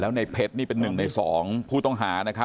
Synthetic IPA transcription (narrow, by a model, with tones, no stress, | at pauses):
lɛː˦˥wna˧jpʰe˦˥t̪̚niː˥˩pe˧nːɯ˨˩ŋna˧jsɔː˩˦ŋpʰuː˥˩t̪ɔ˥˩ŋɦaː˩˦na˦˥kʰa˦˥